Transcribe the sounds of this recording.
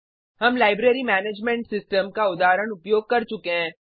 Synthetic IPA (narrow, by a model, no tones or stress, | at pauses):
ɦɐmlaːɪbɾeːɾimɛːneːd͡ʒmẽːɳʈsɪsʈəmkaʊd̪aːɾəɽ̃ʊpjoːɡ̚kɐɾt͡ʃʊkeɦɛ̃ː